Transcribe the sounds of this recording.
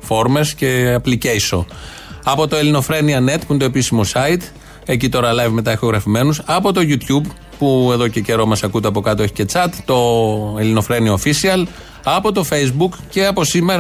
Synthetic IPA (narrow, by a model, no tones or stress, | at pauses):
fo̞ɾme̞sce̞ɐpliceiso̞̰ | ɐpo̞t̪o̞elino̞fɾe̞niɐne̞t̪puint̪oepisimo̞sɐit̪ | e̞cit̪o̞ɾɐlɐvme̞t̪ɐexoɣɾɐfime̞nusɐpo̞t̪o̞ʝut̪çub | pue̞ðo̞ce̞ce̞ɾo̞mɐsɐkut̪e̞ɐpo̞kɐt̪oe̞çi̥ce̞t͡sɐt̪t̪o̞elino̞fɾe̞niɐofisiɐl | ɐpo̞t̪o̞fe̞jzbukce̞ɐpo̞sime̞ɾɐ